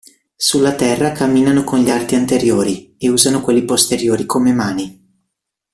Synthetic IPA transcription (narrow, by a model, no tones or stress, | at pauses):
sulːat̪ɛrːakamːiːnanokonʎiart̪iant̪eɾjoːɾieuːzanokwelːipost̪eɾjoːɾikʰomemaːni